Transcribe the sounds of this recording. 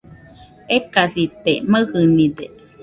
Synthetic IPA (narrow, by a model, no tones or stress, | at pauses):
ekasit̪eməhɨnid̪e